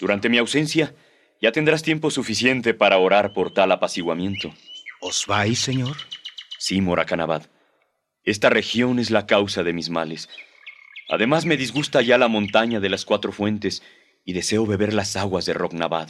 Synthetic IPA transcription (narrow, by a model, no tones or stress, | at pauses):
d̪̥uɾant̪e̞miawse̞nsja | ʝat̪e̞nd̪ɾas̬t̪je̞mpo̞sufisje̞nt̪e̞paɾao̞ɾaɾpo̞ɾt̪alapasiɣwamje̞nt̪o̞oz̥βajsːeɲoɾsimo̞ɾʔakanaβað | e̞st̪are̞xjo̞ne̞zlakawsaðe̞mizmale̞s | a̰ðe̞mazme̞ðizɣust̪aʝalamont̪aɲaðe̞laskwat̪ɾo̞fwe̞nt̪e̞s | iðe̞se̞o̞βe̞βe̞ɾlasaɣwazðe̞ro̞kna̰βa̰ð